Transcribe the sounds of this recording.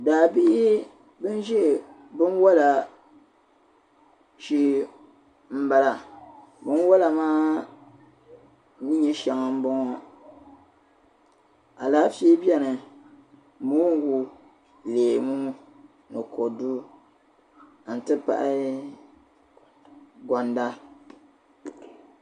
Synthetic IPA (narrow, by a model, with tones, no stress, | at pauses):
daː˨bi˦ʔi˦ | bɨ˦n˦ʒɛ˦ʔ | bɨ˦nwa˦la˨ | ʃi˦ | m̩˦ba˨la˨ | bɨ˦n˦wa˦la˨maː˦ | ni˦ɲɛ˦ʃa˨ŋ˨m̩˦bɔ˦ŋɔ˨ | a˨la˨˦fiː˦bi˦ɛ˦nɨ˨ | muː˦ŋ˦wu˦ | leː˨mu˦ | nɨ˨kʰo˨du˦˨ | n̩˨tɨ˦pa̰˨ʔa˦ | ɡɔ˨nda˦